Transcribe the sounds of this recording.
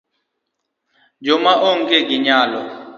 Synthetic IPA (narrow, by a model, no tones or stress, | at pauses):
d͡ʒɔmaʔɔŋ̩kʼɛɡiɲaːlɔ̰